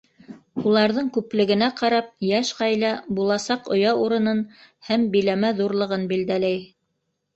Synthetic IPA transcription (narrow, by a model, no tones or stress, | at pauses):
ulˠɑɾðɤɴkʉplɘ̆ɡɘ̆næqɑɾɑp̚jæʃqɑjlɑbulˠɑsɑqŏjɑuɾɤ̆nɤnhæmbijlæmæðuɾlˠɤ̆ʁɤnbild̪ælæj